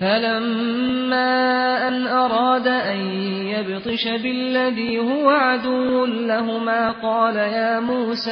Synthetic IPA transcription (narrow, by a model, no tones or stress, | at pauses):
falamː | aːʔanʔɑɾˤɑːd̪aʔan | jabt̪ˤɨʃabɪlːaðiːhʊwaʕad̪ʊwːʊnlaɦʊmaːqɑːlajaːmuːsaː